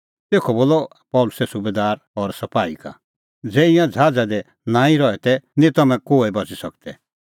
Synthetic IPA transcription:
t̪eːkʰɔboːlɔ | pɔʊlʊsɛsubed̪aːɾ | ɔɾsɐpaːḭka̰ | d͡zɛːijãd͡zʱaːd͡zad̪ɛ | nãːĩɾɔɛt̪ɛnĩt̪ɐmɛ̃koːebɐd͡zisɐk̚t̪ɛ

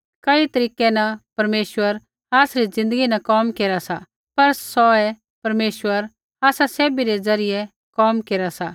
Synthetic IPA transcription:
kɐit̪ɐɾiːkɛnɐpɐɾmeːʃwəɾ | aːsɾid͡zɪ̃nd̪əɡinɐkɔːmkeːɾasa | pɐɾsɔɛ | pɐɾmeːʃwəɾ | aːsaseːbiɾɛd͡zɐɾɪjɛ | kɔːmkeːɾasa

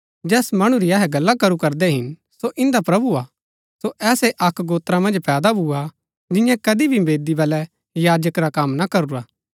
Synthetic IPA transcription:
d͡ʒɛːsmɐɽ̃ũɾiɐɦɛɡɐlːakɐɾukɐɾd̪ɛɦɪn | soʔɪ̃nd̪apɾɐbuaː | soʔɛːseʔɐkɡoːt̪ɾãmɐ̃nd͡ʒpɛːd̪abʱua | d͡ʒɪ̃jãkɐd̪ibʱibeːd̪ibɐlɛ | jaːd͡ʒəkɾakɐmnakɐɾuɾaː

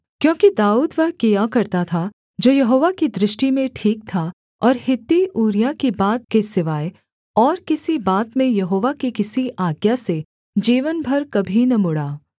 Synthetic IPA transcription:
kjõːkid̪aːuːd̪ʋɐɦkijakɐɾt̪at̪ʰa | d͡ʒoːjɐɦoːʋakid̪ɾɪʃʈimẽʈʰiːk̚t̪ʰa | ɔːɾhɪt̪ːiʔuːɾjakibaːt̪̚kesɪʋaːe | ɔːɾkɪsibaːt̪mẽjɐɦoːʋakikɪsiʔaːɡjase | d͡ʒiːʋənbʱɐɾkɐbʱinɐmʊɽaː

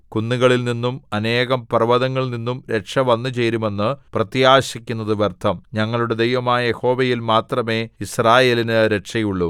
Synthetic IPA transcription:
kunːiɣɐɭilninːumɐne̞ːɣɐmpɐrɐʋɐðɐŋːɐɭninːumɾe̞ʈʂɐʋɐnːɨt͡ɕe̞jɾume̞nːɨprɐt̪jaːɕikʲːunːɐðɨʋɐrt̪ʰɐmɲɐŋːɐɭuɽe̞d̪e̞jʋɐmaːjɐje̞ho̞ːʋeɐjilmaːt̪rɐme̞ːisraːje̞ːlinɨɾe̞ʈʂɐjuɭːu

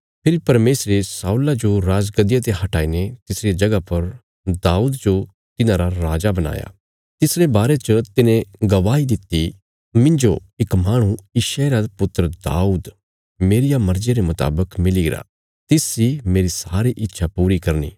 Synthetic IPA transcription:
pʰɪɾipɐɾmeːsɾesaːuːlad͡ʒoɾaːd͡ʒɡɐd̪ɪjat̪eɦɐʈaːinet̪ɪsɾiad͡ʒɐɡapɐɾ | d̪aːuːd̪d͡ʒo | t̪ɪnãɾaɾaːd͡ʒabɐna̰ːja̰ | t̪ɪsɾebaːɾet͡ʃət̪ɪnẽɡɐʋaːɦid̪ɪt̪ːi | mɪ̃nd͡ʒoɪkmaːɽ̃ũɪʃeːɾapʊt̪əɾəd̪a̰ːuːd̪ | meːɾɪjamɐɾd͡ʒeɾemʊt̪a̰ːbəkmɪliɡɪɾa̰ | t̪ɪsimeːɾisaːɾiʔɪtːʃʰapuːɾikɐɾnḭː

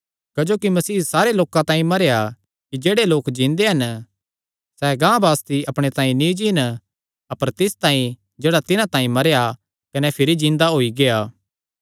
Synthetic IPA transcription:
kɐd͡ʒoːkimɐsiːsaːɾeloːkãt̪ãːĩmɐɾeja | kid͡ʒeːɽeloːkd͡ʒĩːnd̪eɦɐn | sɛːɡãːbaːst̪iɐpɽ̃et̪ãːĩnĩd͡ʒiːn | ɐpəɾt̪ɪst̪ãːĩ | d͡ʒeːɽat̪ɪnãt̪ãːĩmɐɾeja | kɐnɛpʰɪɾid͡ʒɪ̃nd̪aɦoːiɡeaː

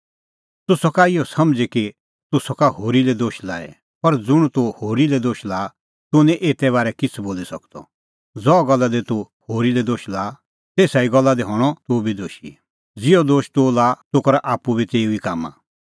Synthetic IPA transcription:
t̪ʊsɔkaɪjɔsɐmd͡ziki | t̪ʊsɔkaɦoːɾilɛd̪oːʃla̰ːɛ̰ | pɐɾd͡zʊɽ̃ut̪ohoːɾilɛd̪oːʃlaː | t̪ʊnɛ̃ʔeːt̪ɛβaːɾɛkɪt͡sʰboːlisɐkd̪ɔ̰ | d͡zɔɡɐlːad̪ɛt̪u | hoːɾilɛd̪oːʃlaː | t̪eːsaiɡɔlːad̪iɦɔɽ̃ɔt̪obid̪oːʃḭ | d͡zɪɔd̪oːʃt̪olaːt̪ʊkɔɾaʔaːpːubit͡seːuikaːmã̰

